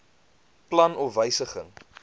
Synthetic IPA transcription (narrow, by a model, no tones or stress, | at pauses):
plɐnɔfvəjsəχəŋ